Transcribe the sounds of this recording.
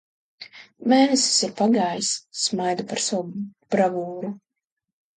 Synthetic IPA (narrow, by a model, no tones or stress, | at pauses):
meːnɛsi̥siɾpaɡaːjsːmajd̪upaɾsawb̥ɾavuːɾu